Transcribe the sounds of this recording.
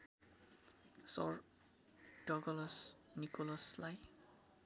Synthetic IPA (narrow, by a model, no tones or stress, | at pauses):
sɔ̰ɹ | d̥ɔɡɔlɔsnikɔlɔslaj